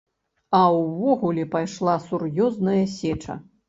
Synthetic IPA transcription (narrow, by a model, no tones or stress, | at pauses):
ɐwvɔɣulʲɛpajʂlˠasurjɔznɐjɐsʲɛt͡ʂɐ̰